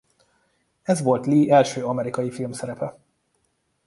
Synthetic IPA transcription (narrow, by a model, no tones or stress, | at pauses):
ɛzʋo̞lt̪liːʔɛlʃøːɒmɛɾikɒjifilmsɛɾɛpɛ